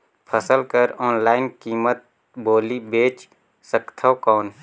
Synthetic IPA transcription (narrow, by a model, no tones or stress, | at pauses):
pʰəsəlkəɾɔːnlaːɪnkiːmət̪̚ | boːlibeːt͡ʃ | səkt̪ʰaːkɔːn